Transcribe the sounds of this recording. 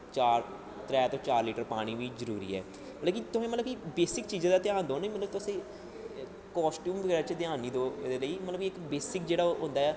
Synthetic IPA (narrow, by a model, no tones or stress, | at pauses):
t͡ʃaːɾ | t̪ɾɛːt̪õːt͡ʃaːɾliːʈəɾpaːɽ̃iːʋiːzəɾuːɾḭːɛ̰ː | mət̪ləb̚kit̪ʊsẽːmət̪ləbkibeːsɪkt͡ʃiːzãːd̪aːt̪ɪaːnd̪õːnːmət̪ləb̚t̪ʊsĩː | kɔːsʈjuːmʋəɡɛːɾaːt͡ʃəd̪ɪãːniːd̪oːd̪eːləiːmət̪ləbkiɪkbeːsɪkd͡ʒeːɽaːɦʊ̃nd̪aːɛː